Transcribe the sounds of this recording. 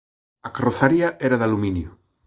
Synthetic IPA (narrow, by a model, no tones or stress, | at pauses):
akaroθaɾiaʔeɾaðaluminju